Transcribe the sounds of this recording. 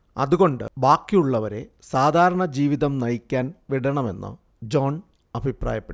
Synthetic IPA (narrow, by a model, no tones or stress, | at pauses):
ɐ̰ðuɣo̞ɳɖɨ̰baːkːijuɭːɐʋɐɾe̞ | saːd̪ʱaːɾɐɳɐd͡ʑiːʋiðɐmnɐjikʲːaːnʋiɽɐɳɐme̞̰nːɨ̰ | d͡ʑo̞ːn | ɐbʱipra̰ːjɐpːe